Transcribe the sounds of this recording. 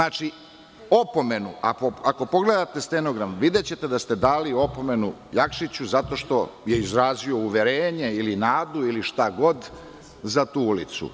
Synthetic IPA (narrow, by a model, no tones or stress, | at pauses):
naːt͡ʃi | o̞po̞me̞nua̰koako̞po̞ɡle̞d̪at̪e̞st̪eno̞ɡɾamʋid̪et͡ɕe̞t̪e̞d̪ast̪e̞d̪aːlio̞po̞me̞nujakʃit͡ɕuzat̪o̞ʃt̪o̞je̞izɾaːzio̞uʋe̞ɾeːɲe̞ilinaːd̪uiliʃt̪aɡo̞d̪ | zat̪uːulit̪sṵ